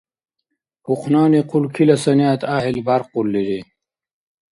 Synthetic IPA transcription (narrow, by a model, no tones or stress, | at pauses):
puqʰnaːniqʰulkʰilɐsɐnijaːt̪aːɦilbaːɾqulːiɾi